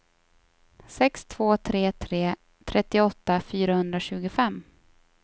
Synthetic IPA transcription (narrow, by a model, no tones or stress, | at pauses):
sɛkst̪ʰv̥oːt̪ʰɾeːt̪ʰɾeː | t̪ʰɾɛt̪ːɪɔt̪ːafyːɾahɵnd̪ɾaɕʉ̟ːɡʊfɛmː